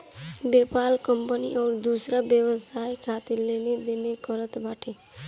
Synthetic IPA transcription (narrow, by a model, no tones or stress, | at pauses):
bepalkəmpəniʔɔːɾd̪usɾabjəwəsajkʰat̪iɾlened̪enekʌɾət̪baʈʰe